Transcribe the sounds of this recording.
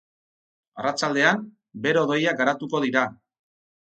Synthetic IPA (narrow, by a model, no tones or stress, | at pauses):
arat͡ʃald̪e̞am | be̞ɾoðo̞jaɡaɾat̪uko̞ð̞iɾa